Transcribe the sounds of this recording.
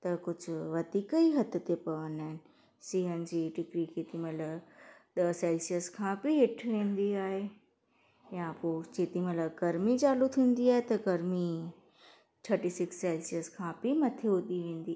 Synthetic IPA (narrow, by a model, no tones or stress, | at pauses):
t̪ɐkʊd͡ʑʱʊ̆ʋɐd̪iːkəiɦɐt̪̆t̪epɐʋənaːɦɪnɪ̆ | siːɦənɪ̆d͡ʑiːʈɪkɾikʰeːt̪imɐləɗ̪ɐsaːɪlsiəskʰãːbɪɦɪʈʰʋẽːn̆d̪iaːɦe | jãpoːt͡ɕeːt̪imələɡɐɾmid͡ʑaːlut̪ʰĩːn̆d̪iaːɦet̪ɐɡɐɾmi | ʈʰɐɾʈisɪksːaːɪlsiəskʰãːbɪmɐt̪ʰeɦʊd̪iʋẽːn̆d̪iː